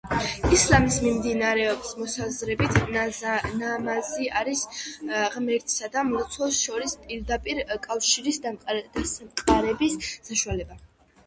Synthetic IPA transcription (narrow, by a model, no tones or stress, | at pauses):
islamismimd̪inaɾɛɔbsmɔsazɾɛbit̪ʰ | namaziaɾisʁmɛɾt̪ʰʼsad̪amɔt̪sʰwɔsʃɔɾispʼiɾd̪apʼiɾkʼafʃiɾisd̪asamqʼaɾɛbisːaʃualɛba